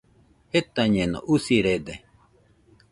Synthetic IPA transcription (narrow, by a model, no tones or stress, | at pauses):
et̪aɲeno̰ʔusiɾed̪e